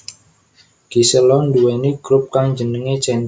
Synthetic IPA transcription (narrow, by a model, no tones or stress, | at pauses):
ɡ̥isəlɔnduweniɡ̥ɾʊp̚kaŋɲd͡ʒənəŋet͡ʃɛn